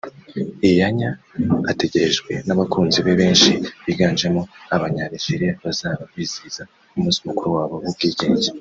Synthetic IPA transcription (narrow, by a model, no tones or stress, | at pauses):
ijaɲaːte̞ɟe̞ɾeʒɡwe̞naβakuːnziβe̞βe̞ːnʃiβiːɡaːnd͡ʒemo̞aβaɲaɾiʒiɾiaβazaːβaββiz̥iz̥a | umuːsiumukuɾuwaːβo̞βubɡiːɟe̞ːɲze